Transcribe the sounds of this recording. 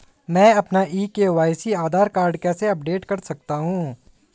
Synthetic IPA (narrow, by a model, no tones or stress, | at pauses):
mɛ̃ːɐpnaʔiːkeʋaːɪsiaːd̪ʱaːɾkaːɾɖkɛːseɐp̚ɖeːʈkɐɾsɐk̚t̪aɦũː